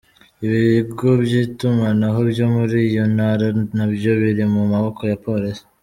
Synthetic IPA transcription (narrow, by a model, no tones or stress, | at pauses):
iβiɾibɡo̞bjitumanaɦo̞bjo̞muɾiːjo̞naɾanabjo̞βiɾimumaβo̞kʰo̞japo̞ɾesi̥